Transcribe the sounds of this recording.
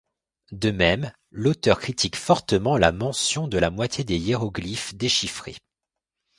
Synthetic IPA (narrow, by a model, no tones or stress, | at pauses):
d̪əmɛm | lot̪œʁkχit̪ʰikfɔʁt̪əmɑ̃lamɑ̃sjɔ̃d̪əlamwat̪jed̪ejeʁɔɡlifd̪eʃifχḛ